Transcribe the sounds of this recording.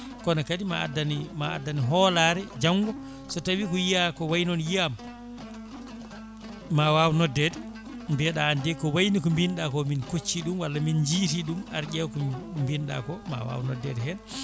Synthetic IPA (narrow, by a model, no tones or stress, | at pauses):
kɔnakadima̰a̰danimaa̰dːaniɦɔlaɾɛd͡ʒaŋɡɔ | sɔtawikɔjiakɔwajnɔnjiam | awawnɔdːɛdɛ | mbɛɗaːndɛkɔwajnikɔmbinɗakɔminkot͡ʃːiɗumwalːamind͡ʒiːtiɗuma̰ɾɡɛwkɔmbinɗa̰kɔma̰wa̰wnɔdːɛdɛhɛn